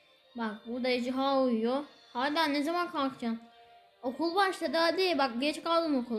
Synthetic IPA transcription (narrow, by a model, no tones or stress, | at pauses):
bak̚buɾd̪aid͡ʒiɦaːujjohaɾd̪anːezamankʰakt͡ʃʰan | okʰulˠbaʃt̪ad̪ad̪ebak̚ɡɛt͡ʃkalˠd̪ɯmokʰulˠ